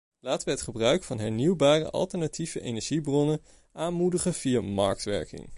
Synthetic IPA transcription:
laːtəʋəɦɛtχəbrœɥkfɑnɦɛɹniwbaːrə̰ʔɑ̰lˠtəɹnativəʔejnɛɹʒibrɔnən | ʔaːnmudəχəvijamɑ̰ɹk̚tʋɛ̰ɹkɪ̰ŋ

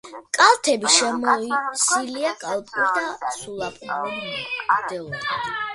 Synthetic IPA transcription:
kʼalˠt̪ʰɛbiʃɛmɔisiliakʼalˠpʼuɾd̪asulˠapʰʼɔɾɛd̪ɛlˠɔɾi̥

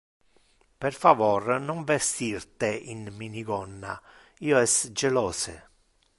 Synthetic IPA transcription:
perfavɔrnɔɱvest̪irt̪einminiɡɔnːa̰ | iːoɛsd͡ʒelɔːse

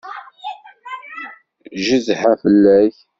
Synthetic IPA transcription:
ʒəzħæfəlːæç

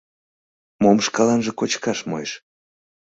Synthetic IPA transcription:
momʃkɑlɑnʒĕkot͡ɕkɑʃmo̰jeʃ

